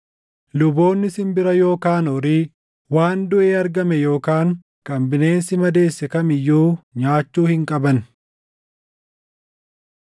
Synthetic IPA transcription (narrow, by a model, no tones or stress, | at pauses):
lʊbo̞ːnːɪsɪmbɪɾɐjo̞ːkaːnɔɾiː | waːnd̪ʊʔeːɐɾɡɐmɛjo̞ːkaːŋ | kʼɐmbɪne̞ːnsɪmɐd̪e̞ːsːɛkɐmɪjːuːɲaːt͡ʃːuːhɪŋkʼɐbɐn